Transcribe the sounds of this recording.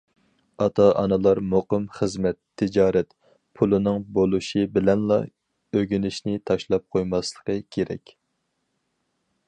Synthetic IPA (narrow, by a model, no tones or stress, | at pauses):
ɑt̪ʰɑʔɑnɨlˠɑɾmoqəmχəzmɛt̪ʰːɪd͡ʒɑːɾɛt̪ | pʰulˠɨnɨŋbolˠuʃɨbɪlɛnlˠɑ̰ | øɡʲynɪʃnɪt̪ʰɑʃlˠɑp̚qʰojmɑslˠə̥qəkʲʰeɾɛ̰kʲ